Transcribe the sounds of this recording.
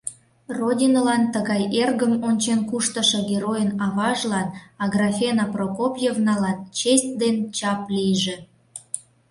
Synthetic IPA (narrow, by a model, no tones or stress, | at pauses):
rodʲinolɑnt̪əɣɑjerɣəmonʲt͡ɕenkuʃt̪əʃĕɡʲeɾojənɑβɑʒlɑnɑɡrɑfʲenaprokopʲjevnɑlɑt̪t͡ɕesʲt̚ʲd̪ent͡ɕɑplʲijʒe